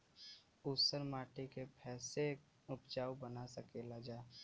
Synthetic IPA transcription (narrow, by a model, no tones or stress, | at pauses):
ʊsəɾmaːʈekepʰɛːse | ʊpd͡ʒaːwbənasəkeːlad͡ʒaːe